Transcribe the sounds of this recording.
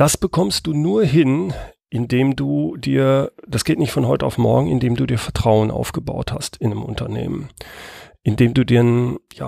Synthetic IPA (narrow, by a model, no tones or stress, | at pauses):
d̥asb̥əkʰɔmst̚d̥uːnuːɐɦɪnʔɪndeːmduːdiːɐd̥asɡ̥eːtnɪçtfɔnɦɔʏtəa̰ʊfmɔ̰ɐɡŋ̩ɪ̰ndeːmduːdiːɐfɛɐtʁ̥aʊənʔa̰ʊfɡ̥əba̰ʊtha̰stɪnəmʔʊ̰ntʰɐnḛːmə̰n | ʔɪndeːmduːdiːɐnja̰ː